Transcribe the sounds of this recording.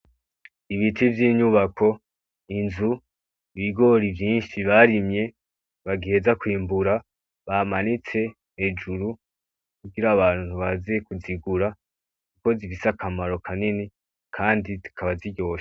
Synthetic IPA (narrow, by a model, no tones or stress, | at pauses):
iβitʰivjiːɲuβakʰo̞ | inzu | βiɡo̞ɾivjiːnʃiβaɾimɲe̞ | βaɡihe̞zakwiːmbuɾa | βamanit͡se̞ | hed͡ʒuɾu | kuɡiɾaβaːnu̥uβaziekuziɡuɾa | kuko̞zifisakʰamaɾo̞kʰanini | kʰaːndizikʰaβaziɟo̞ːʃḁ